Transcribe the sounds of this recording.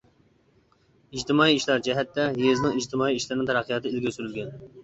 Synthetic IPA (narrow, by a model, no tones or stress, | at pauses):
id͡ʒt̪ɪmɑiːʃlˠɑɾd͡ʒɛɦɛt̪ːɛɦeznɪŋid͡ʒt̪ʰɪmɑːiiʃlɪɾnɨŋt̪ʰɛɾæqʰːɨjɑt̪ʰɨɪlʲɡʲesyɾylɡʲɛn